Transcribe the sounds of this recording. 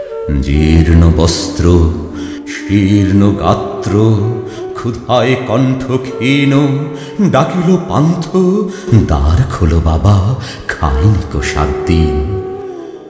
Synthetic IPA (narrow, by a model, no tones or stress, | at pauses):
d͡ʑiɾnobɔst̪ɾo | ʃiɾnoɡat̪ɾo | kʰud̪ʱaekɔɳʈʰokʰeno | ɖakilopa̰nt̪ʰod̪aɾkʰolobaba | kʰa̰jnikoʃa̰ɾd̪in